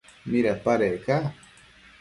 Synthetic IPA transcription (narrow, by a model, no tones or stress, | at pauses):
miɾapaɾeka